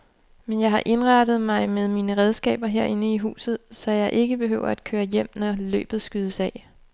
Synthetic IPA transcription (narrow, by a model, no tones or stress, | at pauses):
menjɑ̈ɪɦɑ̈ʔe̝nʁɑ̈d̥ð̞̩ˠmɑ̈ɪmeð̞ˠmiːnəʁɛð̞ˠsɡ̥ɛ̰ːb̥ɐɦeɐ̰e̝nəiɦṵːsð̩ˠsɒ̽jɑ̈ɪʔe̝ɡ̥əb̥e̝ɦø̰ʊɐ̰æd̥̚kʰøːɐjem̰nɒlø̰ːb̥ð̩ˠsɡ̥yðˠəsɛ